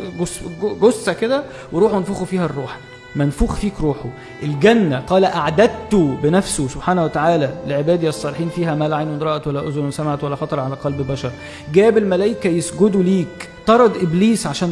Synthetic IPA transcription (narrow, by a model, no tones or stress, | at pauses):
ɡosɡosːæked̪æ | weɾuːħonfuːxofiːhærˤːuːħ | mænfuːxfiːkɾuːħo | ʔelɡænːæqɑːlæʔaʕd̪æd̪̚t̪obenæfsosob̥ħaːnæwæt̪aʕaːlæleʕebæːd̪ijsˤːɑːleħiːnfiːɦæmæːlʕajnwed̪ˤɾɑʔɑt̪wælːæʔozonnsæmʕat̪wælːæxɑt̪ˤɾˤʕalæqɑlbbæʃɑɾˤ | ɡæːbelmælæjkæjesɡod̪uliːk | t̪ˤɑɾˤɑd̪ʔebliːsʕaʃæːn